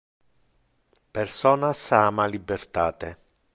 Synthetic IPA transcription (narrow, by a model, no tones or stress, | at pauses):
persɔːnasaːmalibːert̪aːt̪e